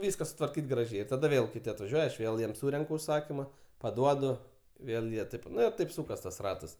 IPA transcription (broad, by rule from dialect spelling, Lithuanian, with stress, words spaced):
ˈʋʲiːskɐ sʊtʋɐrʲˈkʲiːt ɡrɐˈʒʲɛɪ ɪr tɐˈdɐ ˈʋʲeːlˠ kʲɪˈtʲɪ ɐtʋɐˈʒʲuɔjɛ ɐʃ ˈʋʲeːlˠ ˈjiɛm ˈsuːrʲɛŋkʊ ʊʃˈsɑːkʲiːmɐ pɐˈduɔdʊ ˈʋʲeːlˠ jiɛ ˈtɐɪp ˈnʊ ɪ ˈtɐɪp ˈsuːkɐs tɐs ˈrɑːtɐs